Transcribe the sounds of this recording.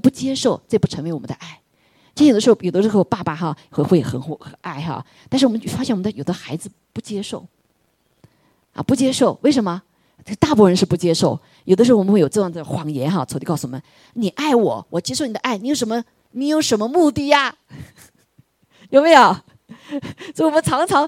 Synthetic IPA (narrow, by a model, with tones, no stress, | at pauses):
pu˥˩t͡ɕjɛ˥ʂo˥˩ʊt͡spu˥˩ʈ͡ʂʰɤ˧˥ŋwɪɔ˨˩ə̰˦d̪ə̰˧ʔa˥˩ɪ | t͡ɕi˥˩j̪ʂɻ̩˧˥xjo˨˩d̪ə˦ʂɻ̩˧˥xo˥˧ʊpa˥˧pa˧xɑ˧˩xe˥˧xwe˥˩ɪxə˨˩nxxə˨˩˦ʔa˥˩ɪxɑ̰˧˩ | t̪a˥˧nʂɻ̩˥˩wmə˦t͡ɕfa˥ɕjɛ˥˩nwm˦˥ə˧jo˨˩ʊd̪ə˧xa˧˥ɪd͡zɹ̩˧pu˥˩t͡ɕjɛ˥ʂo˥˩ʊ | ʔɐ̰˧˩pu˥˩t͡ɕjɛ˥ʂo˥˩ʊwe˥˩ɪʂə˧˥nmə˧ | ʈ͡ʂə˥˧ɡə˧t̪a˥˩puɔ˥˩ɻə˧˥nʂɻ̩˥˧pu˥˩t͡ɕjɛ˥ʂo˥˩ʊ | jo˨˩ʊd̪ə˦ʂɻ̩˧˥˩xjo˨˩ʊɤ˥˧jɑ˥˩t͡sa˥˩xwɑ˧˥ŋjɛ˧˥nxɑ˥˧˩t͡sʰt̪i˧kɑ˥˧ʊsu˨wɔ˨˩mə˦n | ni˨˩ʔa˥˩ɪwɔ̰˨˩wʔɔ˨˩t͡ɕjɛ˥ʂo˥˩n˨˩d̪ə˦ʔa˥˩ɪni˧˥jo˧˩ʊʂmə˧ | ni˨˧˥jo˨˧˥ʊʂə˧˥nmə˧mu˥˧t̪i˥˩a˩ | jo˨˩ʊmə˧˥jo˨˩ʊ | so˥˧˥ɪwɔ˨˩mə˦nt͡sʰɑ˧˥ŋt͡sʰɑ˧˥ŋ